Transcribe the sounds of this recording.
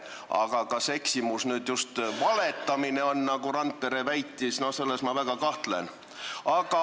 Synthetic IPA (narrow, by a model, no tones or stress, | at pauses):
ɑ̰ɡ̥ɑkɑse̞ksimusnyːd̪just̪vɑlet̪ːˑɑmineo̞nːɑɡuɾɑnd̪̚pe̞ɾevæjt̪ːˑisno̞hse̞lːesmɑvæɡ̥ɑkɑht̪le̞̰n | ɑɡ̥ɑ